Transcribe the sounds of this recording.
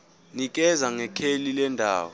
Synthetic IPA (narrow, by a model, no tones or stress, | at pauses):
nik̬ʼɛzaŋɛkʰelilɛndʱa̰ːwɔ